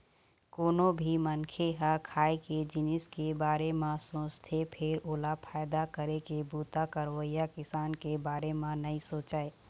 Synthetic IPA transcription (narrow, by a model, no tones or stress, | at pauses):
koːnobʱimənkʰeɦakʰaːeked͡ʒɪnɪskebaːɾemãsõːst̪ʰepʰɪɾoːlapʰaːjd̪akəɾekebuːt̪akəɾwəijakɪsaːnkebaːɾemãnəĩsoːt͡ʃaːe